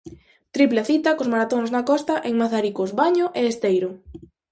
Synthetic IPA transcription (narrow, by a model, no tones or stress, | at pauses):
t̪ɾipleaθit̪ɐkozmaɾat̪oŋznakɔst̪ɐʔeŋmaθaɾikozβaɲʊʔeːst̪ejɾʊ